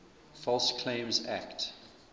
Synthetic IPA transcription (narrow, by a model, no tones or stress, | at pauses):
fɔlˠskʰlẽɪ̃mzæ̰kt